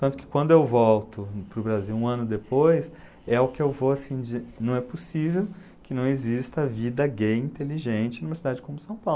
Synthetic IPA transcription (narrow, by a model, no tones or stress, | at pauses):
t̪ɐ̃t̪ʊ̥kɪ̥kwɐ̃nd̪ʊewvɔwt̪ʊpɾʊbɾaziwũɐ̃nʊd̪epojs | ɛʊkɪewvoasĩd͡ʒinɐ̃w̃ɛposivew | kɪnɐ̃w̃ezist̪ɐvid̪ɐɡejĩt̪eliʒẽt͡ʃɪ̃nũiveɾsid̪ad͡ʒɪkõmʊsɐ̃w̃pawlʊ